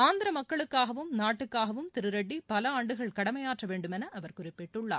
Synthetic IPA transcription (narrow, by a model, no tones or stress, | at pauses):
aːnd̪ɪɾɐmɐkːɐɭɯkːaːɣɐʋɯmnaːʈːɯkːaːɣɐʋɯmt̪ɪɾɯɾɐɖːipɐlɐaːɳɖɯɣɐɭkɐɽɐmɐjaːʈrɐʋeːɳɖɯmɛnɐʔɐʋɐɾkʊrɪpːɪʈːɯɭːa̰ː